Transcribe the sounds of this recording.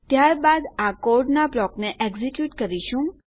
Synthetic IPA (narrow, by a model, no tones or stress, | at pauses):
t̪jaɾbad̪akoɾɖnablɔkneʔeɡzikjuʈkəɾiʃũ